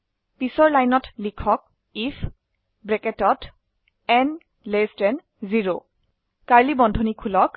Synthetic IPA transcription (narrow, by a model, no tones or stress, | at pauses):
pisɔɹlajnɔtlikʰɔk̚ | ipʰ | bɹɛkɛtɔt | ɛn | lestɛn | ziɹo | kaɹlibɔndʱonikʰulɔk